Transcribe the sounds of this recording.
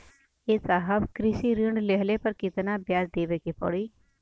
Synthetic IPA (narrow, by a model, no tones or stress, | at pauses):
eːsaːɦəbkɾɪʃiɾiɳɖleɦlepɐɾkɪt̪nabjaːzd̪eːʋekepɔ̰ɽiː